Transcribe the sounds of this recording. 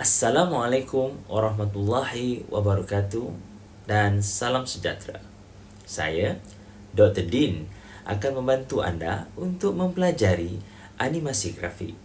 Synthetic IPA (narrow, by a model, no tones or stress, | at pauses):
ʔasːalamualakʊmwaɾaɦmat̪ulːahiwʔa̰baɾɔkat̪u | dansalamsəd͡ʒa̰t̪ɾa̰ | sa̰ja | dɔk̚t̪ərdin | ʔa̰kanməmbant̪ua̰nda̰unt̪ʊk̚məmpəlad͡ʒaɾi | ʔanimasiɡɾa̰fḭʔ